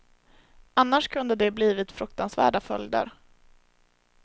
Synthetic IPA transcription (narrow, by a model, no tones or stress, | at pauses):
anːaʂkʰɵnd̪əd̪ɛbliːvɪt̪fɾɵk̚t̪ansvæ̰ːɖafœljd̪ə̰ɾ